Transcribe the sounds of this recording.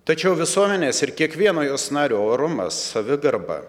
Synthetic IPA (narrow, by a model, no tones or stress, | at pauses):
t̪ɐt͡ʃʲɛʊʋʲɪsuɔmʲɛnʲeːsɪɾkʲiɛkʋʲiɛnoːjoːsnɑːɾʲuːoːɾʊmɐ̰sɐʋʲɪɡɐɾbɐ̰